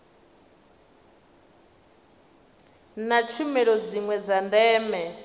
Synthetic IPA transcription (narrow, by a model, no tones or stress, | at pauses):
nat͡ʃʰimɛɺɔd͡ziŋwɛd͡zandɛːmɛ